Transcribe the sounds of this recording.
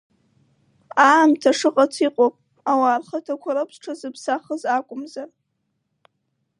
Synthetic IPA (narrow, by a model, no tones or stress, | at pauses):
amtʰaʂɨqʼat͡sʰiqʼopʼ | awarχatʰakʷʰaɾɨpʰsʈ͡ʂʰazɨpʰsaχəzakʷʼʊmzar